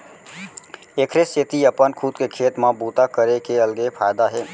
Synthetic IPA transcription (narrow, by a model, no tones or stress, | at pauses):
ekʰɾeset̪iəpənkʰut̪kekʰeːt̪mãbuːt̪akəɾekeəlɡepʰaːjd̪aɦeː